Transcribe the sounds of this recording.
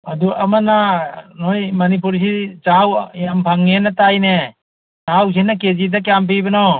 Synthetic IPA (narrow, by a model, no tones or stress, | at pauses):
aduʔamananojmɐnip̬uɾs̬it͡ʃawjampʰaŋːenatajne | t͡ʃaws̬inːaked͡ʒidak̬jamp̬ibanɔ